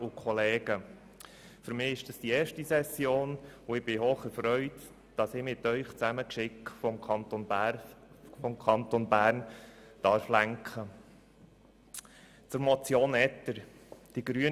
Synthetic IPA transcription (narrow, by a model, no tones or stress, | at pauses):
ʊkʰɔleːɡ̥ə | fʏɾmɪːɪʃd̥ɑsd̥ieːɾʃtisɛsjoːnʊɪb̥ɪhoːχəɾfɾœʏt | d̥ɑsɪmɪt̪œʏχt͡sæməkʃɪkfɔmʰɑntɔn | fɔmkʰɑnt̪onbæːɾnd̥ɑɾflæŋkχə | t͡sʊɾmɔt͡sjoːnɛtːəɾd̥iɡ̥ɾyə